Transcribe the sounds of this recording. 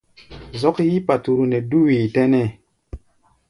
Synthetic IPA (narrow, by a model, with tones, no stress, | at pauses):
zɔ˦kji˦pa˨tu˨ɾu˨ne˨du˦wi˨te˦nɛ˦˨